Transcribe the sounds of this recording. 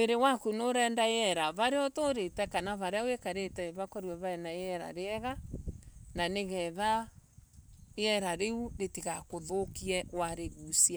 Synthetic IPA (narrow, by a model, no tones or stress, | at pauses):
weɾewakunoɾɛːndajɛɾaβaɾeɔtoɾetɛkanaβaɾeawekaɾetɛβakɔɾwɛβaɛnajɛɾa̰ɾeɛɣa | naneɣɛða | eɛɾaɾeuɾetiɣakoðokiɛwaɾeɣusia